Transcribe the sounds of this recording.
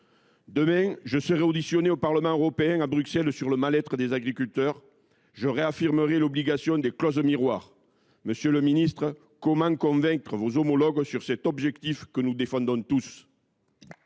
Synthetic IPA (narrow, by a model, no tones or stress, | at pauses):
d̪əmɛ̃ʒəsəʁeod̪isjɔneopaʁləmɑ̃øʁɔpeɛ̃abʁyksɛlsyʁləmalɛt̪χəd̪ezaɡʁikylt̪œʁ | ʒəʁeafiʁməʁelɔbliɡasjɔ̃d̪eklɔzmiʁwaʁ | məsjøləminist̪χə | kɔmɑ̃kɔ̃vɛ̃ŋkχəvozomɔlɔɡsyʁsɛt̪ɔbʒɛkt̪ifkənud̪efɑ̃nd̪ɔ̃t̪us